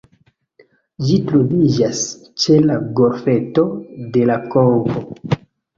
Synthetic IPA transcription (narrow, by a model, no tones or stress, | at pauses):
d͡ʒitɾovid͡ʒas | t͡ʃe̞laɡo̞ɾfeto̞de̞lakoŋɡo